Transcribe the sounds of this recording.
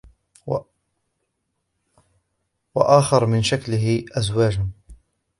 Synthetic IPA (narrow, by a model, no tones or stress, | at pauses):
wa̰ʔaːxɑɾˤmɪnʃaklɪɦɪʔazwaːd͡ʒn